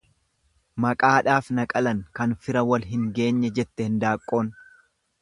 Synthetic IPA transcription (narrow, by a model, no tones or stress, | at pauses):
mɐkʼaːᶑaːfnɐkʼɐlɐŋkɐnfɪɾɐwɐlɦɪŋɡe̞ːɲːɛd͡ʒɛt̪ːɛhɪnd̪aːkʼːo̞ːn